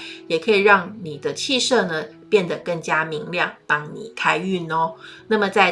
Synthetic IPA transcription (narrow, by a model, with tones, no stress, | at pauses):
jɛ˨˩kʰɤ˧˥i˨˩ɻɑ˥˩ŋni˨˩d̪ə˦t͡ɕʰi˥˧ʂɤ˥˧nə˩pjɛ˥˩nd̪ə˨˩kɤ˥˩ŋt͡ɕja˥mi˧˥ŋljɑ˥˩ŋt̪ɑ˧˥ŋnḭ˨˩kʰa˥ɪy˥˩nɔ˦na˥˩mə˨t͡sa˥˧ɪ